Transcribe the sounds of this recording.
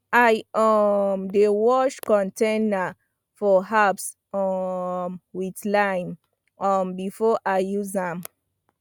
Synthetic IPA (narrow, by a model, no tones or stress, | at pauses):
ajɔmdewɔʃkɔ̃ntẽna | fɔɦaps | ɔmwitlajm | ɔmbifɔʔaɪjuzãm